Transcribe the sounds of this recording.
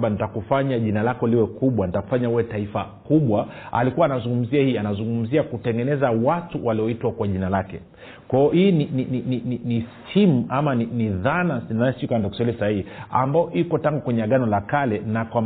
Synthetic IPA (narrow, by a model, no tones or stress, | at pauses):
ɓanitakufaɲaʄinalakɔliwɛkuɓwanitaku̥faɲaiwɛtaifa | kuɓwaa̰likuwaːnazuŋɡum̩ziahiːanazuŋɡum̩ziakutɛŋɡɛnɛzawatuwʔaliɔitwakwaʄinalakɛ | kwaɔhiːninininininistʰimuamaniniðanasinaɛsikandakusɛliɛsahihia̰mbaɔʔikɔtaŋɡukwɛɲɛaɠanɔlakalɛnakwam